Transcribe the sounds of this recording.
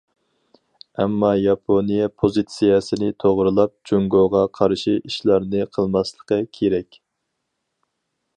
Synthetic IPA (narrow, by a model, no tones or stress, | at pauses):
ɛmːɑjɑpʰonijɛpʰozɨt̪sijɛsɨnɨt̪ʰoʁɾɨlˠɑp̚d͡ʒoŋɡoʁɑqʰɑɾʃiʔiʃlˠɑɾnɨqʰəlˠmɑslˠə̥qəkʲʰeɾɛkʲ